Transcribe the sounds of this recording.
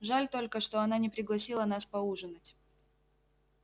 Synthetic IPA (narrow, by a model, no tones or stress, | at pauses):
ʐalʲt̪o̞lʲkəʂt̪o̞ɐnanʲɪpɾʲɪɡlˠɐsʲilˠənaspɐuʐɨnətʲ